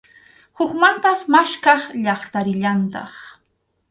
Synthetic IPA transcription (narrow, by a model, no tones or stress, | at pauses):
hʊkmant̪asmaʃkɑχʎɑχt̪aɾɪʎant̪ɑ̰χ